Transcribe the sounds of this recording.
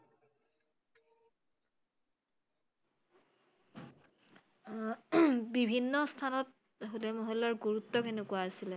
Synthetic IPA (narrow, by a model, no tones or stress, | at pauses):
bibʱinːɔstʰanɔt̚ | ɦolɛmɔɦɔlːaɹɡuɹutːɔkenekʊwaːsilɛ